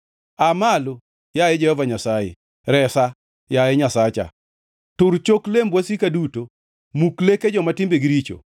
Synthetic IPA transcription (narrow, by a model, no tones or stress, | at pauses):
amalo | jajɛd͡ʒɛhɔvaɲasajḛ | ɾɛsa | jajɛɲasat͡ʃa̰ | tʊɾt͡ʃoklembwasikaduto | mukleked͡ʒɔmatɪmbeɡiɾit͡ʃo̰